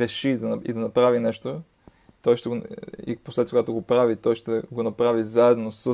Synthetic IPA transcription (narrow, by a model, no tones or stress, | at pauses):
ɾɛʃid̪ɐnḭd̪ɐnɐpɾavinɛʃt̪o | t̪ɔjʃt̪ɛɡoḭposlɛt̪kɡat̪oɡopɾavit̪ɔjʃt̪ɛɡonɐpɾavizaɛd̪nosə